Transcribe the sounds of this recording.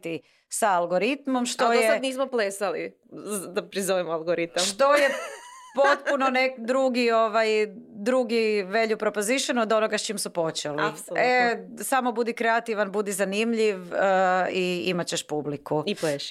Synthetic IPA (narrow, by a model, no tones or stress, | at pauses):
t̪i | saːlˠɡoɾit̪mo̞mʃt̪ojesaniːsmoplesali | d̪apɾizoʋemoalˠɡoɾit̪amʃt̪o̞jepot̪̚punonekd̪ɾuɡio̞ʋajd̪ɾuɡiʋe̞ʎupɾopoziʃenuod̪o̞noɡast͡ʃimsupo̞t͡ʃelissole | samo̞bud̪ikɾeat̪iʋanbud̪izanimʎiʋəiimat͡ɕeʃpublikuipleʃ